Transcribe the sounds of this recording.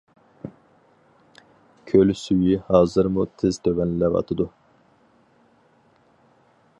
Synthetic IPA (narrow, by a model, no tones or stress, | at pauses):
kʲʰølsyjihɑːzɨɾmut̪ʰɪzt̪ʰøvɛnlɪlɛvɑ̰t̪ʰɨd̪u